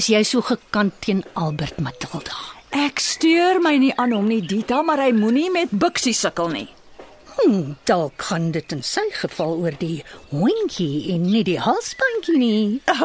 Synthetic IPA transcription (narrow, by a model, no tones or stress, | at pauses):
əsjɛjsuːχəkɐntʰːiənʔɐlˠbərtmɐtəlˠdɑːʔækstyərməjniʔɐːnɦɔmniditɐːmɐrɦəjmunimɛt̚bəksisəkəlˠnḭ | d̥ɑlˠkχɐndətənsəjχəfɐlˠuərdiɦɔŋkʰiɛnːidiɦɐlˠsbɐŋkini